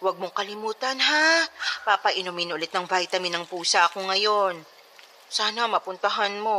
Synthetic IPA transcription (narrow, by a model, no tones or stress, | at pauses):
wɐɡ̚moŋkɐlɪmuːt̪ɐnɦapapɐʔɪnomɪnʔʊlɛt̪̚nɐŋvajt̪ɐmɪnɐŋpuːsɐʔɐko̞ŋɐjo̞n | saːnɐmɐpʊnt̪ɐɦanmo̞